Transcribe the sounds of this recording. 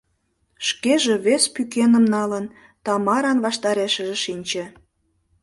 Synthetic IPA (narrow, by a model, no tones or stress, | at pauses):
ʃkeʒeβespykenəmnɑlən | t̪ɑmɑɾɑnβɑʃt̪ɑɾeʃə̆ʒĕʃinʲt͡ɕĕ